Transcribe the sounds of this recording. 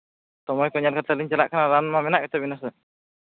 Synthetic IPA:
sɔmɔjkɔɲalkʰat̪ʰaliɲt͡ʃɛla̰ʔkʰanaɾanmamɛnaʔɡɛt̪ɛbinasə

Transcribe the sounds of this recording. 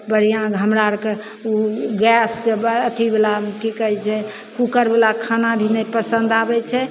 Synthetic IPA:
bəɽ̤ijãɡʱəmɾaɾke | uɡɛskeət̪ʰibelamkikəɦɛt͡ʃʰɛ | kukəɾbelakʰanabʱinɛpəsənd̪abɛt͡ʃʰɛ

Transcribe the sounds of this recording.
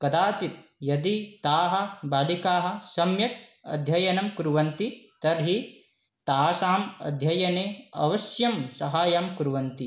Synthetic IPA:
kɐd̪aːt͡ʃit̪̚jɐd̪it̪aːɦɐ̆baːlikaːɦɐ̆sɐmjɐk̚ɐ̰d̪ʱjɐjɐnɐmkuɾuʋɐnt̪it̪ɐɾɦi | t̪aːsaːmɐ̰d̪ʱjɐjɐneːɐ̰ʋɐʃjɐmsɐɦaːjaːmkuɾʋɐnt̪i

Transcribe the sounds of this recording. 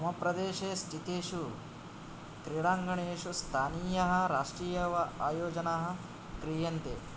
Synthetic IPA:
ɐmɐpɾɐd̪eːʃeːsʈit̪eːʃu | kɾiɽaːŋɡɐɳeːʂust̪ʰaːniːjɐɦɐ̆ɾaːʂʈɾiːjɐʋɐaːjoːd͡ʒɐnaɦɐ̆ | kɾijɐnt̪ḛː

